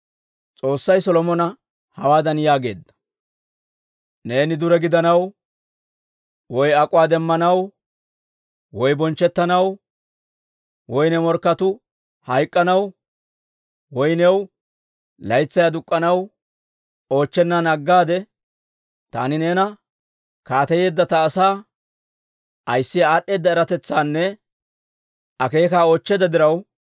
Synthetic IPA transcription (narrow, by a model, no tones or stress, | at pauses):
t͡sʼo̞ːsːɐjsɔlɔmɔnɐ | hɐwaːd̪ɐnjaːɡe̞̰ːd̪ːɐ̥ | ne̞ːnɪd̪ʊɾɛɡɪd̪ɐnɐw | wɔjɐkʼʊwaːd̪ɛmːɐnɐw | wɔjbɔnt͡ʃːɛt̪ːɐnɐw | wɔjnɛmɔɾkːɐt̪ʊ | hɐjkʼːɐnɐw | wɔjnɛw | lɐjt͡sːɐjad̪ʊkʼːɐnɐw | o̞ːt͡ʃːɛnːanɐɡːaːd̪ɛ | t̪a̰ːnɪneːnɐ | kaːt̪ɐje̞ːd̪ːɐt̪ɐːsaː | ʔɐjsːɪjaɗːe̞ːd̪ːɐɛɾɐt̪ɛt͡sːaːnːɛ | ɐke̞ːkaːo̞ːt͡ʃːɛd̪ɐd̪ɪɾɐw